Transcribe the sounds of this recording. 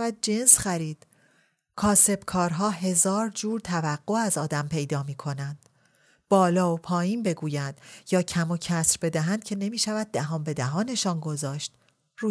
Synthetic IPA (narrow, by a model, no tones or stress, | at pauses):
væd̪̚d͡ʒe̞nsxæɾiːd̪̥ | kʰɒːse̞b̥kʰɒːɾɦɒːɦe̞zɒːɾd͡ʒuːɾt̪ʰævæɢːoæzɒːd̪æmpʰe̞jd̪ɒːmiːkʰo̞nænd̪̥ | b̥ɒːlɒːopʰɒːjiːnbe̞ɡuːjænd̪̥jɒːcʰæmo̞cʰæsɾbe̞d̪æɦænd̪̚cʰe̞ne̞miːʃævæd̪̚ːæɦɒːmbe̞d̪æɦɒːne̞ʃɒːnɡozɒːʃt̪̚ | ɾuː